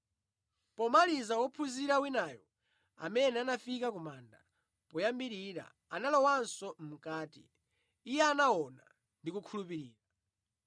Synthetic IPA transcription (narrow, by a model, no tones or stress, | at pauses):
pɔmalizawɔpʰuziɾawinaːjɔ | a̰mɛnɛanafikakumanda̰ | pɔjambiɾiɾa̰ | analɔwansɔm̩kaːtḭː | jɛanawɔna̰ | ndikukʰulupiɾiːɾa